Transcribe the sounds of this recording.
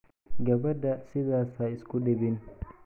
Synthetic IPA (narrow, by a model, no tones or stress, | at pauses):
ɡɐbɛdasɪzaːsaːɪskuɗebɪn